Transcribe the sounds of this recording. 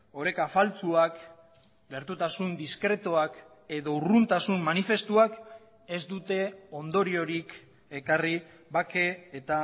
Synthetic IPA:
o̞ɾe̞kafalt͡suak | ɡe̞ɾt̪ut̪asund̪iskɾe̞t̪oak | e̞ðo̞urunt̪asunmanife̞st̪uak | e̞zd̪ut̪e̞o̞nd̪o̞ɾio̞ɾik | e̞kari | βake̞ːt̪a

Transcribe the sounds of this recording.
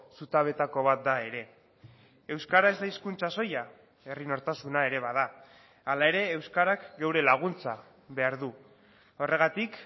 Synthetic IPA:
sut̪aβ̞e̞t̪ako̞β̞at̪̚d̪ae̞ɾe̞ː | wskaɾae̞zd̪aiskunt͡saso̞ja | e̞rino̞ɾt̪asunae̞ɾe̞βað̞a | alae̞ɾe̞ːwskaɾakɡewɾe̞laɣ̞unt͡sa | βe̞aɾðu | o̞re̞ɣ̞at̪ik

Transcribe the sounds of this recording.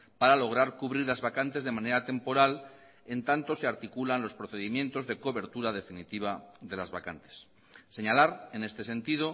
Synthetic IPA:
paɾalo̞ɣ̞ɾaɾkuβɾiɾlazβakant̪e̞zðe̞mane̞ɾat̪e̞mpo̞ɾal | e̞nt̪ant̪o̞se̞aɾt̪ikulanlo̞spɾoθe̞ðimje̞nt̪o̞zðe̞ko̞βe̞ɾt̪uɾað̞e̞finit̪iβ̞aðe̞lazβakant̪e̥sː | e̞ɲalaɾe̞ne̞st̪e̞se̞nt̪ið̞o̞

